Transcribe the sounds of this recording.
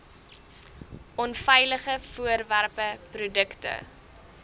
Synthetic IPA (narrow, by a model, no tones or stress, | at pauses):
ʔɔnfɛjləχəfuərværpəprudəktə̰